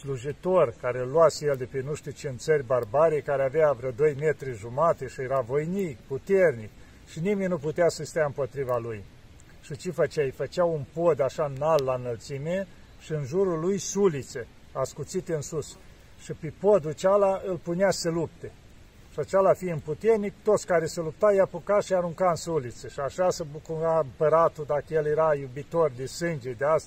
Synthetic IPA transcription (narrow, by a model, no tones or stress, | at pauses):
sluʒit̪orkaɾelːuasejeld̪epenuʃt̪ut͡ʃent̪sərʲbarbaɾejkaɾeaveavɾəd̪o̞jmet̪ɾiʒumat̪e̞ʃijeɾavo̞jnikput̪ernik | ʃinimenʲnuput̪easəst̪ejaɨmpo̞t̪ɾivaluj | ʃit͡ʃefət͡ʃajfət͡ʃawunpo̞d̪aʃanalːanəlt̪sime | ʃiɨnʒuɾulujsulit̪se | askut̪sit̪eɨnsus | ʃipepod̪ut͡ʃalaɨlpuneasəlup̚t̪e | ʃiat͡ʃalafijɨmput̪ernikt̪ot̪sʲkaɾesəlup̚t̪ajapukaʃiaɾuŋkaɨnsulit̪seʃiaʃasəbukuɾaɨmpəɾat̪ud̪akəjeljeɾajubit̪ord̪esɨnd͡ʒed̪east̪a